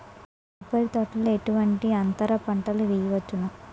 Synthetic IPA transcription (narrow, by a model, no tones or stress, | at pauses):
ɐpɐɾit̪ɐʈɐlueʈuʋɐɳʈiɐnt̪ɐɾɐpɐɳʈɐluʋijɐʋɐt͡ʃːunu